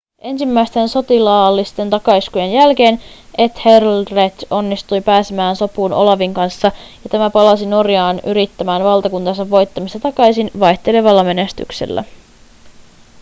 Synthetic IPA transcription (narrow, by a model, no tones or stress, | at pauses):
ʔe̞nsimːæjst̪e̞nso̞t̪ilɑːlːist̪e̞nt̪ɑkɑiskuje̞njælke̞ːnʔe̞t̪herlret̪o̞nːist̪ujpæːsemæːnso̞puːno̞̰lɑʋiŋkɑnsːɑjɑt̪æmæpɑlɑsino̞rjɑːnyɾit̪ːæmæːnʋɑlt̪ɑkunt̪ɑnsɑʋːo̞jt̪ːɑmist̪ɑt̪ɑkɑjsinʋɑjçt̪e̞le̞ʋɑlːɑme̞ne̞st̪y̰ksḛlːæ̰